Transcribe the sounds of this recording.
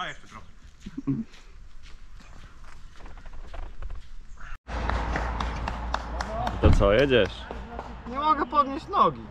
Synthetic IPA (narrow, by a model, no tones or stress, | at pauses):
ajɛʃɛt̪ɾɔxɛ | it̪ɔt̪sɔjɛd͡ʑɛʂɲɛmɔɡɛpɔd̪ɲʲeɕt͡ɕnɔɡʲi